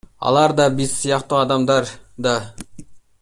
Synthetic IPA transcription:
ɑ̰lˠɑɾd̪ɑbizsijɑqt̪uɑd̪ɑmd̪ɑɾd̪ɑ

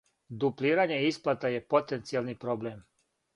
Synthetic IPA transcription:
d̪upliːɾaɲe̞isplˠat̪aje̞po̞t̪ent̪sijalnipɾo̞bleːm

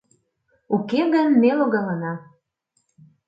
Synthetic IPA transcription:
ukeɣənmeloɣɑlɑnɑ

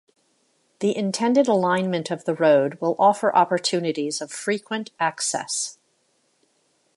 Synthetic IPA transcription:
ðiʔɨ̃ntʰɛ̃ndɨɾəlãɪ̃nmɨ̃ntʰʌvðəɹoʊd̚wɪlˠʔɔfə˞ʔɑpə˞tʰʉnɨɾizʌv̥fɹikʰwɨ̃ntæksɛ̰s

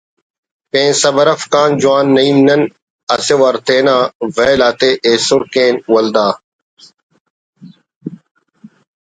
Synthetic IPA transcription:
pẽːnsɐbɐɾɐfkaːnd͡ʑuwaːnːɐiːmnɐn | ɐsewɐɾt̪eːnaːveːlaːt̪eːʔeːsʊɾkẽːnwɐld̪aː

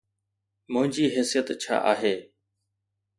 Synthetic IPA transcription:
mʊ̃ɦɪ̃ɲd͡ʑiːɦesijət̪t͡ɕʰa̰ːʔaːɦeː

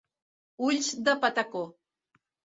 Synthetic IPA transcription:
ulʲsd̪apat̪ako

